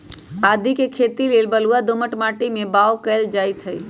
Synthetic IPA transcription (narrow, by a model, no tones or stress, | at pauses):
aːd̪ʱikekʰet̪ileːlbəluad̪oməʈmaːʈimẽbaːʋkəeld͡ʒaːjt̪ʰɦəj